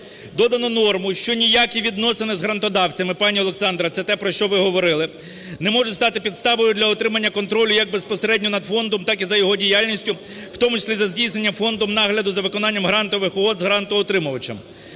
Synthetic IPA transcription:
d̪ɔd̪ɐnɔnɔrmʊʃt͡ʃɔnʲijakʲiʋʲid̪nɔsenɪzɦɾɐnt̪ɔd̪ɑwt͡sʲɐmɪpɑnʲiɔlˠeksɑnd̪ɾɐt̪sɛt̪ɛpɾɔʃt͡ʃɔʋɪɦɔʋɔɾɪlˠɪ | nɛmɔʒʊst̪ɑt̪ɪpʲid̪st̪ɑʋɔjʊd̪lʲɐɔt̪ɾɪmɐnʲːɐkɔnt̪ɾɔlʲʊjɐɡ̚bespɔseɾɛdʲnʲɔnɐd̪fɔnd̪ɔmt̪ɑkizɐjɔɦɔdʲijalʲnʲisʲtʲʊ | wt̪ɔmʊt͡ʃɪ̥sʲlʲizɐzʲdʲijsnenʲːɐmfɔnd̪ɔmnɑɦlʲɐd̪ʊzɐʋɪkɔnɑnʲːɐmɦɾɑnt̪ɔʋɪxʊɦɔd̪zɦɾɑnt̪ʊɔt̪ɾɪmʊʋɐt͡ʃɪ̰m

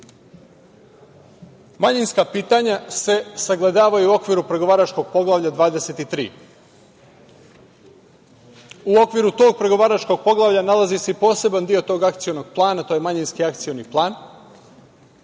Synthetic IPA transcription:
maɲinskapiːt̪aɲase̞saɡlˠed̪aːʋaiuo̞kʋiːɾupɾe̞ɡo̞ʋaːɾat͡ʃko̞ɡ̥̚po̞ɡlˠavʎʲad̪ʋaːd̪ese̞t̪it̪ɾḭː | uo̞kʋiɾut̪o̞ːɡ̚pɾe̞ɡo̞ʋaːɾat͡ʃko̞ɡ̚po̞ɡlˠaʋʎanalˠazise̞ipo̞ːse̞band̪io̞t̪o̞ːɡakt̪sijo̞no̞ɡ̥̚plˠaːnat̪o̞je̞maɲinskiakt̪sijo̞niplˠaːn

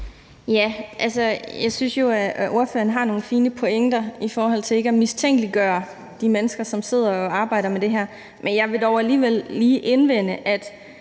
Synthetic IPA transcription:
jæʔælsɒjɑ̈ɪsynsjo̝æʔo̝ɐfø̰ːɐn̩ɦɑ̈no̝ːn̩fiːnəpʰo̝eŋ̰d̥ɐifɒːhɒ̽l̰t͡sʰe̝le̝ɡ̥əæmist͡sʰeŋ̰ɡ̥əliɡ̥ɶːɐ | d̥imenəsɡ̥ɐsɒ̽mse̝ð̞̰ˠɐɒ̽ɑ̈ːb̥ɑ̈ɪ̰ɾɐmed̥e̝ɦæɐ̰ | mʔenjɑ̈ɪʋe̝d̥ɒʊæliːʋel̰ːiːʔenʋen̰əʔæd̥

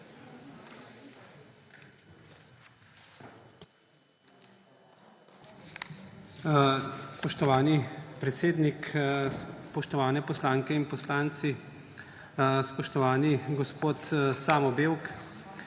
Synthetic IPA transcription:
spɔʃt̪ɔʋaːnipɾɛt̪seːd̪nik | pɔʃt̪ɔʋaːnɛpɔslaːŋkɛinpɔslaːnt̪si | spɔʃt̪ɔʋaːniɡɔspoːt̪saːmɔbeːwk

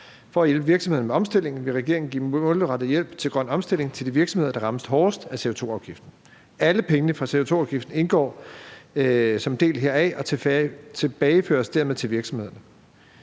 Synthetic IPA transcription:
fɒ̽æjelb̥əʋiɐɡ̥smhe̝ð̰ˠnəmeɒ̽msd̥e̝l̰e̝ŋn̩ʋe̝ʁɛɡ̥e̝ɐe̝ŋn̩ɡḭːɔ̽ləʁɑ̈d̥ð̩jel̰b̥t͡sʰe̝ɡ̥ʁɶn̰ɒ̽msd̥e̝l̰e̝ŋt͡sʰe̝ld̥iʋiɐɡ̥sɒ̽me̝ð̞̰ˠɐd̥ɑ̈ʁɑ̈məsd̥ɦɒːsd̥æse̝o̝t͡sʰo̝̰ːɑ̈ʊɡ̥ifd̥n̩ | æləpʰeŋənəfʁɑ̈se̝o̝t͡sʰo̝̰ːɑ̈ʊɡ̥ifd̥n̩e̝nɡ̥ɒ̰ː | sɒ̽md̥e̝̰ːlɦeɐ̰ɛʔɒ̽t͡sʰet͡sʰe̝b̥ɛːɪfø̰ɐsd̥æɐ̰meðˠt͡sʰe̝ʋiɐɡ̥sɒ̽mhe̝ð̞̰ˠɐnə

